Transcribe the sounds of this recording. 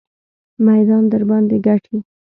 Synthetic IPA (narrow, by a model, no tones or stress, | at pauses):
majd̪ɑnd̪əɾbɑnd̪eɡaʈʰi